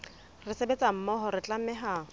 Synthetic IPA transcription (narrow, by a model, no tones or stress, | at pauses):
rɪsebet͡sʼam̩mɔɦɔrɪt͡ɬʼam̩mɛɦa